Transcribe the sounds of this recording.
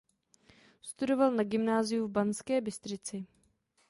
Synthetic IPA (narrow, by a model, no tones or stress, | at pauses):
st̪udo̞valnaɡɪmnaːzɪjuvbanskɛːbɪst̪r̝ɪt͡sɪ